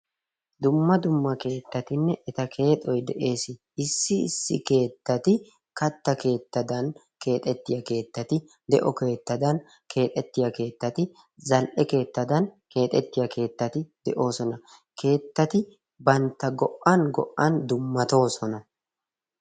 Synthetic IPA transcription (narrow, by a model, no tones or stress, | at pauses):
d̪ʊmːɐd̪ʊmːɐke̞ːt̪ːɐt̪ɪnːɛʔɛt̪ɐkʰe̞ːt̪ʼɔjd̪ɛʔe̞ːsɪ | ɪsːɪɪ̰sːɪ̰ke̞ːt̪ːɐt̪ɪ | kɐt̪ːɐke̞ːt̪ːɐd̪ɐn | kʰe̞ːt̪ʼɛt̪ːɪjɐke̞ːt̪ːɐt̪ɪ | d̪ɛ̰ʔɔke̞ːt̪ːɐd̪ɐn | kʰe̞ːt̪ʼɛt̪ːɪjɐke̞ːt̪ːɐt̪ɪ | zɐlʔɛke̞ːt̪ːɐd̪ɐnke̞ːt̪ʼɛt̪ːɪjɐke̞ːt̪ːɐt̪ɪd̪̥ɛʔo̞ːsɔnɐ | kʰe̞ːt̪ːɐt̪ɪ | bɐnt̪ːɐɡɔʔʔɐnɡɔ̰ʔːɐnd̪ʊmːɐt̪o̞ːsɔnɐ